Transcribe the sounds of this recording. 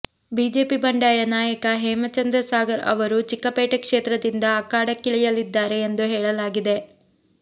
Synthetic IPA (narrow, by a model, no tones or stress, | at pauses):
biːd͡ʒe̞ːpibɐɳɖaːjɐnaːjɐkɐɦɛːmɐt͡ʃɐnd̪ɾɐsaːɡɐɾɐ̰ʋɐɾut͡ʃikːɐpeːʈɐkʂeːt̪ɾɐd̪ind̪ɐːkaːɽɐkːiɭijɐlid̪ːaːɾe̞ːnd̪uɦɛːɭɐlaːɡid̪e̞